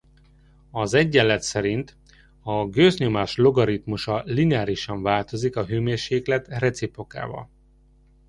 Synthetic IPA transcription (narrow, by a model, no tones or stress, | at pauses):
ɒzɛɟːɛlːɛt̪sɛɾint̪ | ɒɡøːzɲo̞maːʃlo̞ɡɒɾit̪muʃɒlinɛaːɾiʃɒɱvaːlt̪o̞zikɒɦøːmeːrʃeːklɛt̪rɛt̪sipo̞ka̰ːvɒ̰l